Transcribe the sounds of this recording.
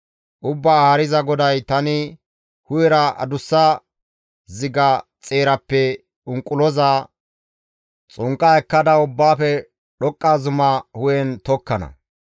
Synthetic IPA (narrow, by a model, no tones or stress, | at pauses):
ʔʊbːaːhɐɾɪzɐɡɔd̪ɐjt̪ɐnɪ | hʊjɛɾɐʔɐ̰d̪ʊsːɐ | zɪɡɐt͡sʼe̞ːɾɐpːɛ | ʊŋkʼʊlɔzaː | t͡sʼʊŋkʼːɐɛkːɐd̪ɐʊbːaːfɛ | ɗɔkʼːaːzʊmɐhʊjɛnt̪ɔkːɐnɐ̰